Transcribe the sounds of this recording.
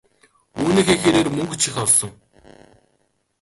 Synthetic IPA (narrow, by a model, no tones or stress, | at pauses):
uːniːxeːxeːɾeːrmɵŋɡɵ̆t͡ɕʰixʲɔɮsɞ̆ŋ